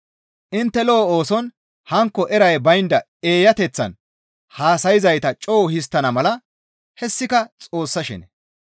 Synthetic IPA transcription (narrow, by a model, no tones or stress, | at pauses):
ʔɪnt̪ːɛloːoːsɔn | hɐŋkːɔʔɛɾɐjbɐjnd̪ɐ | eːjɐt̪ɛt͡sːɐ̰n | haːsɐjɪzɐjt̪ɐt͡ʃʼoːhɪs̬t̪ːɐnɐmɐlɐ | hɛsːɪkɐt͡sʼo̞ːsːɐʃɛ̰nɛ